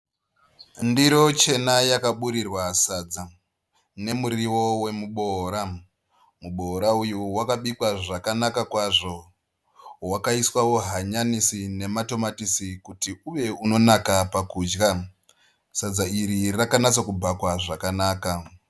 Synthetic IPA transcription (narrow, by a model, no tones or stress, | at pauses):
ndiɾo̞t͡ʃe̞najakaɓuɾirwasad͡za | ne̞muɾiwo̞we̞muɓo̞ɾa | muɓo̞ɾaujuwakaɓikwaʐakanakakwaʐo̞ | wakaiswawo̞ɦaɲanisine̞mato̞matisikutiuʋe̞uno̞nakapakuːd͡ʒɡa | sad͡zaiɾirakanat͡sakubakwaʐakanaːka